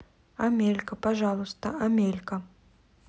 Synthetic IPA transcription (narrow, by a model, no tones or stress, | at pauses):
ɐmʲelʲkəpɐʐalˠʊst̪əɐmʲelʲkə